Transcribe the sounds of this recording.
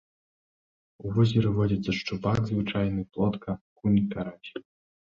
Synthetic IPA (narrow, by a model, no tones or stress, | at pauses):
uvɔzʲiɾɨvɔd͡zʲit̪sɐʂt͡ʂubakzvɨt͡ʂajnɨplˠɔt̪kɐkunʲikaɾat͡ɕʲi̥